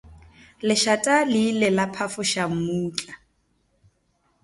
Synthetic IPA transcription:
lɪʃatʼaliːlɪlapʰafʊʃam̩muːt͡ɬʼa

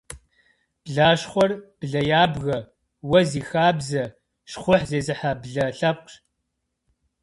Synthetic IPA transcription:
b̥ɮaːʃχʷɔrb̥ɮɐjaːbɣɐ | wɐziːxaːbzɐ | ʃχʷʊħzeːzɨħabɮɐɬɐp̚qɕ

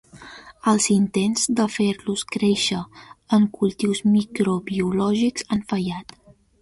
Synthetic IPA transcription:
əlˠzint̪enzd̪əfeɾluskɾeʃəəŋkulˠt̪iwzmikɾoβiulɔʒikz̥anfəjat̪

